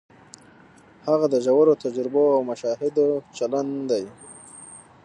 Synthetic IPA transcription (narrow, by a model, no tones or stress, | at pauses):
haɣad̪əʒawaɾot̪ad͡ʒɾɪboawmaʃɑhɪd̪ot͡ʃaland̪aj